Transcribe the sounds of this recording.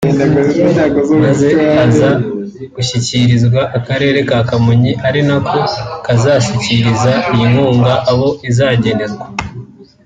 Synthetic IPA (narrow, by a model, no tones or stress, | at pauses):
nanaɡozmaze̞aza | ɡ̥uçiciɾizɡwaʔakaɾe̞ːɾe̞kaːkamuɲiʔaɾinakʰo̞kazaːʃiciɾizaijiŋuːŋɡaʔaβo̞ʔizaːɟe̞ne̞ɾɡwa